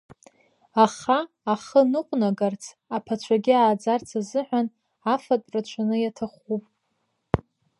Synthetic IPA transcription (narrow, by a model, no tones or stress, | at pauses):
aχaː | χənɨqʷʼnaɡart͡sʰ | apʰat͡ʃʷʰaɡʲɪaːd͡zart͡sʰazɨħʷᶣan | afatʼrat͡ʃʷʰanɨjatʰaχupʼ